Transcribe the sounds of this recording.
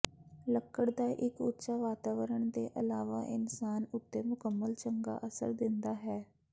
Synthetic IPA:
ləkːəɽd̪aːʔɪkʊ̰tːʃaːʋaːt̪aːʋəɾəɳd̪eːʔəlaːʋaːʔɪnsaːnʊt̪ːeːmʊkəmːəlt͡ʃəŋɡa̰ːʔəsə̰ɾd̪ɪnd̪aːɦɛː

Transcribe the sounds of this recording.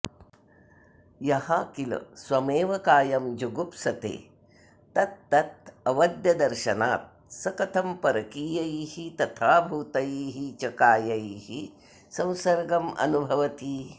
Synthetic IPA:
jɐhɐkilɐ̰swɐmeːʋɐkaːjɐmd͡ʒuɡupsɐt̪ḛː | t̪ɐt̪ːɐt̪̚ɐʋɐd̪jɐd̪ɐɾʃɐnaːt̪̚ | sɐkɐt̪ʰɐmpɐɾɐkiːjɐjihit̪ɐt̪ʰaːbʱuːt̪ɐjiːɦit͡ʃɐkaːjɐjihi | sɐ̃w̃sɐɾɡɐmɐ̰nubʱɐʋɐt̪i

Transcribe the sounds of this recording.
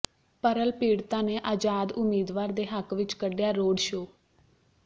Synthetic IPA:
pəɾəlpiːɽt̪ãːneːʔaːd͡ʒaːd̪ʊmiːd̪ʋaːɾd̪eːɦəkʋɪt͡ʃkəɖjaːɾoːɖʃoː

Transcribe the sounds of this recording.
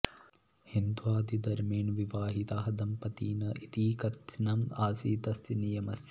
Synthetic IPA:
hind̪uaːd̪id̪ɐɾmeːnʋiʋaːɦit̪aːɦɐd̪ɐmpɐt̪iːnɐʔit̪iːkɐt̪nɐmaːsiːt̪ɐsinijɐmɐsjɐ

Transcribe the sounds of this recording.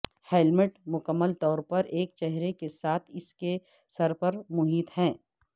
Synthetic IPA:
hɛlmɪʈmʊkəmːəlt̪ɔːɾpɐɾeːk̚t͡ʃɛɦɾekesaːt̪ʰɪske | sɐɾpɐɾmʊɦiːt̪hɛ̃ː

